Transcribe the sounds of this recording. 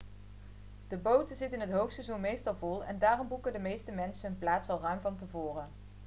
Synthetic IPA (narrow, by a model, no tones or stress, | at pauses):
d̥əbowtəzɪtənɦətɦowftsɛzunmejstɑlˠvɔlˠɛ̰ndaːrɔmbukədəmejstəmɛnsəɦənplaːtsɑlˠrœɥmvɑntəvʊːrə